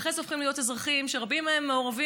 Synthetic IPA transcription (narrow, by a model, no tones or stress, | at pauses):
χezofχimlijo̞tezʁaχimʃeʁabimeemːeo̞ʁavi